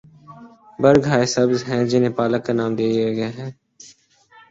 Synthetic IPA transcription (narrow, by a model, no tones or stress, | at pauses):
bəɾɡʱaːesəbzɦɛ̃ːd͡ʒɪnẽːpaːləkːanaːmd̪eːiaɡəjaːɦɛː